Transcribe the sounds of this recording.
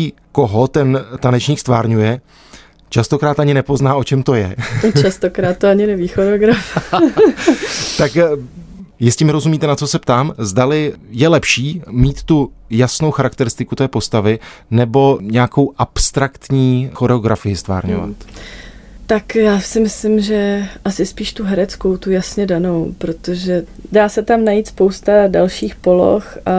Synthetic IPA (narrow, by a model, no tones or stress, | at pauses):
iː | ko̞ɦo̞t̪ɛnt̪anɛt͡ʃɲiːkst̪vaːɾɲujɛ | t͡ʃast̪o̞kɾaːt̪aɲɪnɛpo̞znaːʔo̞t͡ʃɛmt̪o̞jɛot͡ʃast̪okɾaːt̪̚t̪ːoaɲɪnɛviːxoɾɛoɡɾaf | t̪ak | jɪscɛmɪɾo̞zumiːt̪ɛnat͡so̞sɛpt̪aːmzdalɪjɛlɛpʃiːmiːt̪ːujasnowxaɾakt̪ɛɾɪst̪ɪkut̪ɛːpo̞st̪avɪ | nɛbo̞ɲɛakowʔapst̪ɾakt̪ɲiːxo̞ɾɛoɡɾafɪjɪst̪va̰ːɾɲo̞̰va̰t̪ | t̪akjaːsɪmɪslɪmʒɛʔasɪspiːʃt̪uɦɛɾɛt͡sko̞wt̪ujasɲɛdano̞wpɾo̞t̪o̞ʒɛdaːsɛt̪amnajiːt̪spowst̪adalʃiːxpo̞lo̰xʔa